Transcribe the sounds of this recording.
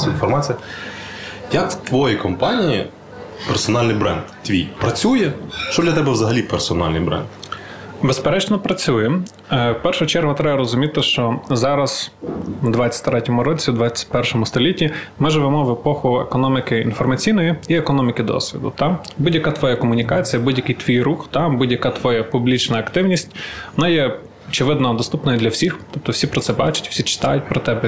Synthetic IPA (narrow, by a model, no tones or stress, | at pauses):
infɔrmɑt͡sʲijɐ | jɐkt̪ʋɔjikɔmpɑnʲijḭ | persɔnɑlʲnɪjbɾɛ̰nd̪t̪ʋʲijpɾɐt͡sʲujɛʃt͡ʃɔd̪lʲɐt̪ɛbɛʋzɐɦɐlʲipɛrsɔnɑ̰lʲnɨ̰jbɾɛ̰nd̪ | bespeɾɛt͡ʃnɔpɾɐt͡sʲujɛ | wpɛrʃʊt͡ʃɛrɦʊt̪ɾɛbɐɾɔzʊmʲit̪ɪʃt͡ʃɔzɑɾɐz̥ | d̪ʋɑt͡sʲːɐ̥tʲt̪ɾɛtʲɔmʊɾɔt͡sʲid̪ʋɑt͡sʲːɐ̥t̚ʲpɛrʃɔmʊst̪ɔlʲitʲːimɪʒɪʋemɔʋepɔxʊḛkɔnɔmʲɪkɪḭnfɔrmɐt͡sʲijnɔjiiekɔnɔmʲɪkɪd̪ɔ̰sʲʋʲḭd̪ʊ̰t̪ɑbudʲjɐkat̪ʋɔjakɔmʊnʲikɑt͡sʲijɐbudʲjɐkijt̪ʋʲijruxt̪ɑbudʲjɐkat̪ʋɔjapublʲit͡ʃnɐːkt̪ɪwnʲisʲtʲʋɔnɑjɛ | ɔt͡ʃɪʋɪd̪nɐd̪ɔst̪upnɔjɐd̪lʲɐwsʲixt̪ɔp̚t̪ɔwsʲipɾɔt̪sɛbɑt͡ʃɪ̥tʲfsʲit͡ʃɪ̥t̪ɑ̰jʊt̚ʲpɾɔt̪ɛbɛ